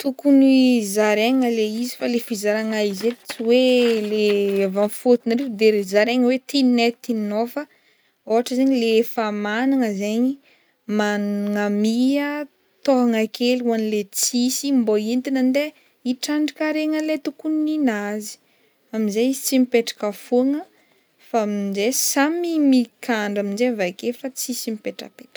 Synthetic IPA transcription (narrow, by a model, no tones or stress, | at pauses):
t̪ukunizaɾeŋəleizifalefizaɾaŋaizet͡siwelevãnfot̪inaɾed̪eezaɾeŋəwet̪ininet̪innofə | oɦaʈ͡ʂəzeɲilefamanaŋəzeɲi | manŋamiə | t̪oɦaŋakʰeliuanilet͡sisimboint̪inənd̪e | iʈ͡ʂaɳɖ͡ʐikaɾeŋəlet̪ukuninazi̥ | amizejizi̥t͡simipeʈ͡ʂḁkəfuəŋə | famizesamimikʰaɳɖ͡ʐamind͡ʒevajkefat͡sisimipeʈ͡ʂə̰peʈ͡ʂ